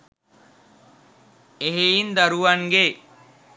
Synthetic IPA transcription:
eɦeind̪aɾuʋaŋɡe

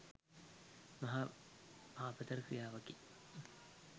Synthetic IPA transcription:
mɐɦa | aːpət̪ɐɾkɾijaːʋɐki

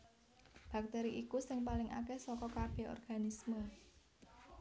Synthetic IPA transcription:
b̥a̤k̚t̪ɛɾiʔikusɪŋpalɪŋa̰kɛsɔkɔkab̥e̤ɔ̰rɡ̥a̤nismə

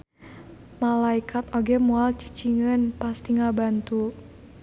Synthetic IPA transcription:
malaikʰat̪oɡɛmualt͡ʃi̥t͡ʃiŋənpast̪iŋabant̪u

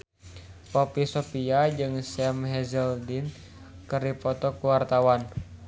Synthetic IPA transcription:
pɔpisopiad͡ʒɨŋsɛmɦɛzəldin | kərdipɔt̪ɔkuwart̪awan

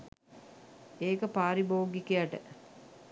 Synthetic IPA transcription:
eːkəpaːɾiboːɡikejaʈə̰

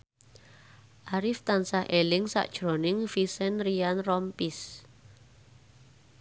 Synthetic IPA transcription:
ʔaɾift̪ansahʔelɪŋsa̰ʔd̥ʒ̥ɾo̤nɪŋfisɛnrianrɔmpis

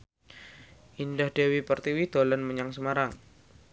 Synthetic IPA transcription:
ʔindahd̥ewipərt̪iwid̪̥olanməɲaŋsəmaɾaŋ

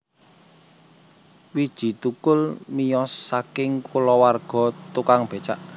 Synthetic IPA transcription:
wid̥ʒ̥i̤t̪ukʊlmijɔsːakɪŋkulɔwarɡ̥ɔ̤t̪ukaŋb̥e̤t͡ʃaʔ

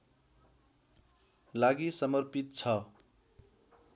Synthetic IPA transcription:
laɡisʌmʌrpit̪̚t͡sʰʌ

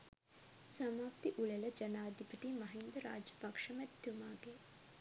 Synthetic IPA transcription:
sɐmaːpt̪iʔuɭeləd͡ʒɐnaːd̪ʱipət̪imɐɦind̪əɾa̰ːd͡ʒɐpɐkʂɐmɛt̪ːumaːɡe

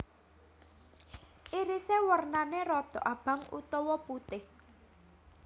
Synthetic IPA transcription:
ʔiɾisewərnaneɾɔd̪̥ɔ̤ʔab̥ä̤ŋṵt̪ɔwɔput̪ɪh

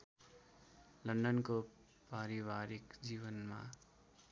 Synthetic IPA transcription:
lʌnɖʌnko | paɾibaɾikd͡ziβʌnma̰

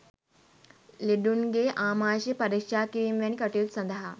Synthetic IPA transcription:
liɖunɡeːʔaːmaːʃepɐɾikʂaːkiimʋɐnikɐʈilsɐnd̪ɐɦa

